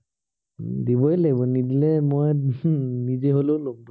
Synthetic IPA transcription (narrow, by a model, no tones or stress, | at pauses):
dibɔɛleɡbɔnidilɛmoj | nizeɦololom